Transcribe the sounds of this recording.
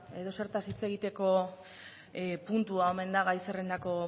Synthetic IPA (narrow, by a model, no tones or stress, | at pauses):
e̞ðo̞se̞ɾt̪asit͡se̞ɣit̪e̞ko̞ | punt̪uao̞me̞nd̪aɣajserend̪ako̞